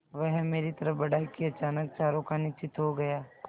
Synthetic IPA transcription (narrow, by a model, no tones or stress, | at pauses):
ʋɛɦmeːɾit̪ɐɾəfbɐɽaːikiɐt͡ʃaːnək̚t͡ʃaːɾõkanɪt͡ʃɪt̪ɦoɡɐjaː